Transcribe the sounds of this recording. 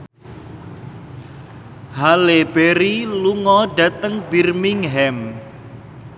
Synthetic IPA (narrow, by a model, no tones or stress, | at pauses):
haleb̥eɾiluŋɔɖa̤t̪əŋbirmiŋɦɛm